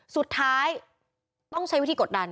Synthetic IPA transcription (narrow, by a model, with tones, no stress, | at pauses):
su˨˩t̪ʰːaː˦˥j | t̪ɔ˥˩ŋt͡ɕʰa˦˥jwi˦˥˩iː˧˨o˨˩t̪̚da˧n